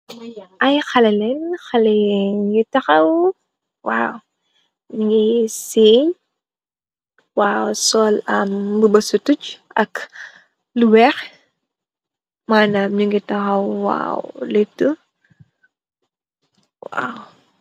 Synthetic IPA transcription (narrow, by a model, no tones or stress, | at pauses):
ʔɐjxɐlɛlɛnxɐlɛŋɡitɐxɐw | wa̰ːw | ɲiŋɡiseɲ | waːwsɔːlɐmbəbɐsutut͡ʃʔɐk | luwɛx | maːnamɲiŋɡitɐxɐwwa̰ːw̰lep̚tu | wa̰w